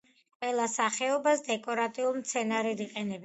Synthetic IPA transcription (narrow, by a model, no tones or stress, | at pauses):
qʼwɛlˠasaχɛɔbasd̪ɛkʼɔɾat̪ʼiulˠmt̪sʰɛnaɾɛd̪iqʼɛnɛb